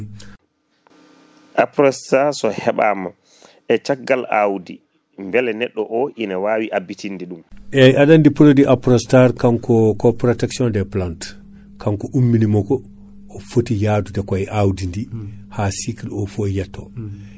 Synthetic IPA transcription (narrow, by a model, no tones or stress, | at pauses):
ʔapɾɔstaɾsɔhɛɓaːma | ɛt͡ʃaɡːalawdi | mbɛlɛnɛɗːɔʔɔʔinawaːwiʔabːitʰindiɗumʔɛjʔaɗandipɾodiʔapɾɔstaɾkankɔkɔpɾɔtɛksjɔndɛplant | kʰaŋkɔʔumːinimɔkɔː | fotijadudɛkajʔawdindihasikilɔfojatʰːɔ